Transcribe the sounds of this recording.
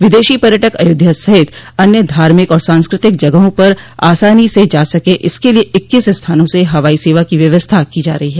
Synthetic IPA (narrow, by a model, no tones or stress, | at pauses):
ʋɪd̪eːʃipɐɾjəʈəkɐ̰jʊd̪ʱjasɐɦɪt̪ɐnjəd̪ʱaːɾmɪkɔːɾsãːnskɾɪt̪ɪkd͡ʒɐɡəɦõpɐɾa̰ːsaːnised͡ʒaːsɐkeʔɪskelieʔɪkːɪsst̪ʰaːnõseɦɐʋaːiseːʋakiʋjɐʋəst̪ʰakid͡ʒaːɾɐɦiɦɛː